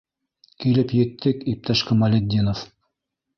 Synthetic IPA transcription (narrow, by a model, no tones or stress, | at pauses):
kilɘpjɘ̆t̪ːɘkip̚t̪ʰæʃkɘmɑlʲed̪ʲːinof